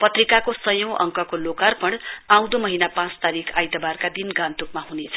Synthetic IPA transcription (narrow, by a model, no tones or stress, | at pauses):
pʌt̪rikakosʌjʌ̃w̃ʔʌ̰ŋkʌkolokarpʌɽãw̃d̪omʌɦinapãt͡st̪aɾikʰajd̪ʌbarkad̪inɡãnt̪ukmaɦunet͡sʰʌ